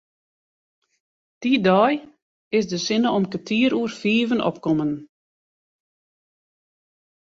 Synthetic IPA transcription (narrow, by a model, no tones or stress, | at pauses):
d̥idɔːj | ɪsdəsɪnəɔmkətʰiəɾuərfiːvənɔ̰pkɔmən